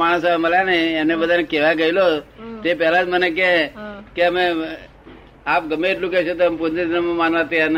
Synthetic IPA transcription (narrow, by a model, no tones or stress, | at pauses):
maɽ̃əsaməljaneɛmnebəd̪ʱanekɛʋaɡəɦilot̪epɛlad͡ʒmənek̬ẽkeəme | ap̚ɡəmeːʈlũkɛʃet̪oəmpot̪ed̪nəmmanʋat̪ian